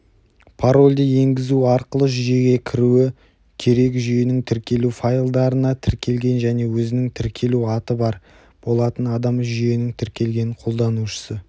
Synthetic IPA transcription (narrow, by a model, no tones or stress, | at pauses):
pʰaɾo̞lʲd̪ee̞ŋɡʲɪzuɑɾqəlˠəʒʏje̞ɡʲe̞kʲʰɪɾuɪ | kʲʰe̞ɾe̞kʒʏjenɪŋt̪ʰɪɾkʲe̞lufajlˠd̪ɑɾənɑt̪ʰɪɾkʲʰe̞lɡʲe̞nʒæne̞wɵzɪnɪŋt̪ʰɪɾkʲʰe̞luɑt̪əbɑɾ | b̥o̞lˠɑt̪ənɑd̪ɑmʒʏje̞nɪŋt̪ʰɪɾkʲe̞lɡʲe̞nqʰo̞lˠd̪ɑnuʃə̥sə